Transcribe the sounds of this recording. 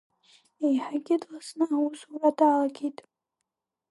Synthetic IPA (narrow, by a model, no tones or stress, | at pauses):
ejħaɡʲɪdlasnɨawusuradaːlaɡʲejtʼ